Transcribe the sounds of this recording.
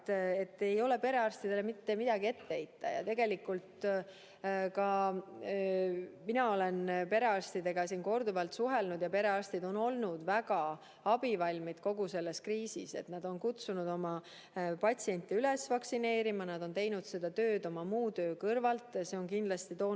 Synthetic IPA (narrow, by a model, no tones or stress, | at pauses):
e̞t̪ːe̞jo̞le̞pe̞ɾe̞ɑrst̪id̪̥elemit̪ːe̞mid̪ɑɡie̞t̪ːeejt̪ːɑ̰jɑ̰t̪e̞ɡ̥e̞likːˑult̪ | kɑ | minɑo̞le̞npe̞ɾe̞ɑrst̪id̪e̞ɡ̥ɑsiːnko̞rd̪uvɑlt̪suɦe̞lnud̪̥jɑpe̞ɾe̞ɑrst̪id̪o̞no̞lnud̪̥væɡɑ | ɑb̥ivɑlʲmid̪̥ko̞ɡuse̞lːe̞skriːsise̞̰t̪nɑd̪̥o̞nkut̪sunud̪̥o̞mɑ | pɑt̪ʲsie̞nʲt̪ːˑiylesvɑksine̞ːɾimɑnɑd̪̥o̞nt̪e̞jnud̪̥se̞d̪̥ɑt̪øːd̪̥o̞mɑmuːt̪ø̞ːkɤrvɑlt̪ːˑse̞o̞nkind̪̥lɑst̪it̪o̞ː